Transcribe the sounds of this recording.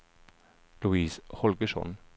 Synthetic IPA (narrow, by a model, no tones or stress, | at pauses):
lʊiːshɔlɡəʃɔ̰n